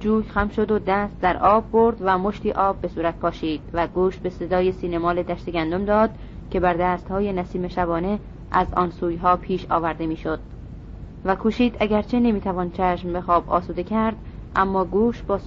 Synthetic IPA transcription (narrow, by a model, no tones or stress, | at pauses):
d͡ʒuːjxæmʃo̞d̪od̪æst̪̚d̪æɾʔɒːbːo̞ɾd̪væmoʃt̪iːʔɒːbːe̞suːɾæt̪̚pʰɒːʃiːd̪̥væɡuːʃbe̞se̞d̪ɒːje̞siːnemɒːled̪æʃt̪eɡʲænd̪omd̪ɒːd̪̚ | cʰe̞bæɾd̪æːst̪hɒːjenæsiːme̞ʃæβɒːne̞ | ʔæzɒ̰ːnsuːjɦɒːpʰiːʃɒ̰ːvæɾd̪e̞miːʃod̪̥̚ | vækʰuːʃiːd̪æɡæɾt͡ʃʰe̞ne̞miːt̪ʰævɒːnt͡ʃʰæʃmbexɒːbɒ̰ːsuːd̪e̞cʰæɾd̪̥ | ʔæmːɒːɡuːʃbɒːs